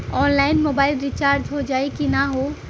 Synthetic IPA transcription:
ɔːnlaːɪnmoːbaːɪlɾɪt͡ʃaːɾd͡ʒɦod͡ʒaːikinaɦoː

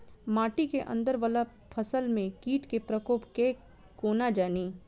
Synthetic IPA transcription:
maːʈikeʔɐ̰̃nd̪əɾʋaːla | pʰəsəlmẽkiːʈkepɾəkoːpkeː | koːnad͡ʒaːniː

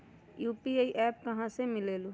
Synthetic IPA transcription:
juːpieːiʔɛːp̚kɐɦãsemɪleːluː

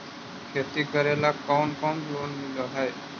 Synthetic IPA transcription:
kʰet̪ikəɾelakɔwnkɔwnlonmiloɦɔj

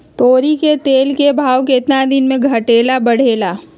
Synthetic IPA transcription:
t̪oːɾiket̪eːlkebʱaːwkeɪt̪nad̪ɪnmẽɡʱɐʈeːlabɐɽ̤eːlaː

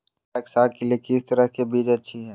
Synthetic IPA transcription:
eksaːlkeliekɪst̪ɐɾəɦkebiːd͡ʒɐtːʃʰiɦɛː

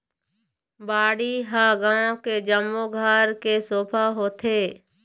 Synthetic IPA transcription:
baːɽiɦãɡãːõked͡ʒəmːoɡʱaːɾkesoːpʰaɦoːt̪ʰeː

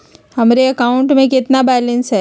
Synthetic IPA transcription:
hɐmɾeɐkaːʊ̃ɳʈmẽkɪt̪nabɛːlə̃nsɦɛː

